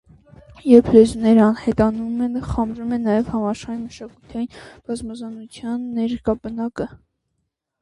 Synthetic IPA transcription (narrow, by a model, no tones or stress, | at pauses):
jɛɾpʰlɛzunɛɾɑnhɛt̪ɑnumɛnχɑmbɾumɛnɑjɛvhɑmɑʃχɑɾiməʃɑkut̪ʰɑjinb̥ɑzmɑzɑnut͡sʰjɑnːɛɾkɑbənɑkə